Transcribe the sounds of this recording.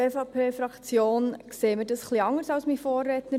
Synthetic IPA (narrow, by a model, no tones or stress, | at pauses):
eːfɑːpʰeːfɾɑkt͡sjoːnkseːməɾdɑsχliɑŋəɾsɑlsmifoːrːɛːt̪nə